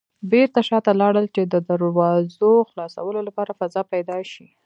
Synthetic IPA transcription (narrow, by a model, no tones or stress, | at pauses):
beɾt̪aʃɑt̪alɑɽəlt͡ʃed̪əd̪əɾwɑzoxlɑsa̰wəlolapɑɾafazɑpajd̪ɑʃi